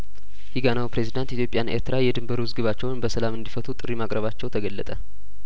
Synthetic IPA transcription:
hiɡanawpʰɾe̞zid̪ant̪it̪ʰjo̞pʼjanʔe̞̰ɾt̪ʰɨɾajɛd̪ɨmbəɾuwɨzɡɨβat͡ʃːɛwnbəsəlamɨnd̪ifət̪ʰut̪ʼɨɾimakʼɾəβat͡ʃːɛwt̪ʰəɡəlːət̪ʼə

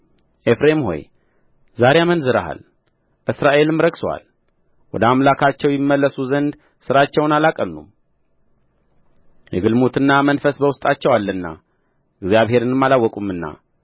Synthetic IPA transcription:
ʔefɾe̞mho̞̰j | zaɾejamənzɨɾa̰ɦa̰l | ʔɨsɾaʔe̞lɨmːɾəksowa̰l | wɔd̪əamlakʰat͡ʃːɛwjɪmːəlːəsuzənd̪ | sɨɾat͡ʃːɛwnalakʼənːṵm | jɛ̰ɡɨlmut̪ʰɨnːamənfəsbəwʊst̪ʼat͡ʃːɛwalːɨnːa̰ | ɨɡzijaβɦe̞ɾɨnɨmːalawːɔkʼumːɨnːa̰

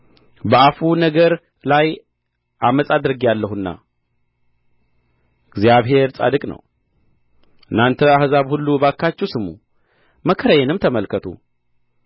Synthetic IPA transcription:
bəafunəɡəɾ | laj | ʔaməsʼad̪ɨɾɨɡialːəɦuɨnːa̰ | ɪɡzijaβɦe̞ɾt͡sʼa̰d̪ɨkʼnə̰w | ʔɨnːant̪ʰəahzaβhulːubakʰːat͡ʃːɛwsɨmṵ | məkʰəɾəjenɨmt̪ʰəməlkʰət̪ʰṵ

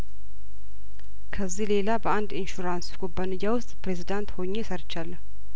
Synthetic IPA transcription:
kʰəzːihle̞labəand̪inʃuɾanskʼubːanɨjːawʊst̪ʼpɾe̞zid̪ant̪hoɲːesəɾt͡ʃːalːə

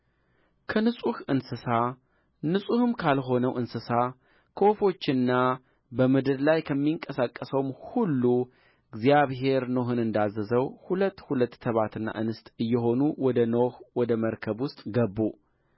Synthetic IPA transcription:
kʰənɨsʼuhɨnsɨsa | nɨsʼuhɨmkʰalɦo̞nəwʔɨnsɨsa | kʰəwofo̞t͡ʃːɪnːa | bəmɨd̪ɨɾlajkʰəmːiŋkʼəsakʼːəsəwmhulːu | ɨɡzijaβɦe̞ɾnoɦɨnɨnd̪azːəzəwhulət̪ːhulət̪ːʰəβat̪ɨnːa̰ʔɨnɨst̪ʼɨjːɛɦo̞nuwɔd̪ənohwɔd̪əməɾkʰəβwʊst̪ʼɡəbːu

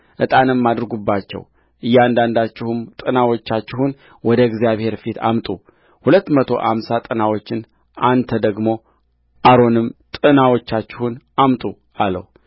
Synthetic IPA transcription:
ʔɨt̪ʼanɨmːad̪ɾɡubːat͡ʃːɛ̰w | ʔɨjːand̪and̪at͡ʃːɪhumt̪ʼɨnawo̞t͡ʃːat͡ʃːɪhun | wɔd̪əɡzjaβhe̞ɾfit̪ʰa̰mt̪ʼu | hulət̪ːmət̪ʰo̞̰ʔa̰msat̪ʼɨnawo̞t͡ʃːɪn | ant̪ʰəd̪əɡmo̞ | ʔaɾo̞nɨmt̪ʼɨnawot͡ʃːat͡ʃːɪhunʔamt̪ʼu | alə̰hu

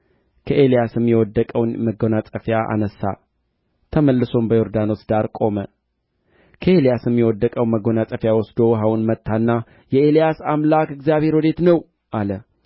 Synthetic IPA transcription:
kʰəʔe̞lijasɨmːjɛwɔd̪ːəkʼəwnməɡo̞nat͡sʼəfjaʔa̰nəsːa̰ | t̪ʰəməlːɨso̞mbəjo̞ɾd̪ano̞sd̪aɾkʼo̞mə | kʰəelijasɨmːjɛwɔd̪ːəkʼəwməɡo̞natʼəfjawɔsd̪o̞wɦawunmət̪ʰːanːa | jɛelijasamlakɨɡzjaβhe̞ɾwɔd̪e̞t̪nəw | ʔalə

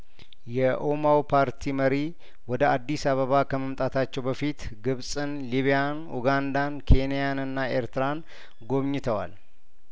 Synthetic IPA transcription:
jɛʔomawpʰaɾt̪ʰiməɾi | wɔd̪əad̪ːisaβəβakʰəməmt̪ʼat̪ʰat͡ʃːɛwbəfit̪ | ɡɨβsʼɨnliβijan | ṵɡand̪ankʰe̞nijanɨnːae̞ɾt̪ɨɾan | ɡo̞βɲɪt̪ʰəwa̰l

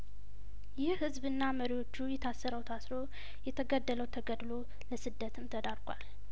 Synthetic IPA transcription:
jɪhhɨzbɨnːaməɾiwo̞t͡ʃːujɛt̪ʰasːəɾəwt̪ʰasɾo̞ | jɛt̪ʰəɡəd̪ːələwt̪ʰəɡəd̪lo̞ | ləsɨd̪ːət̪ʰɨmt̪ʰəd̪aɾɡʷʼwa̰l

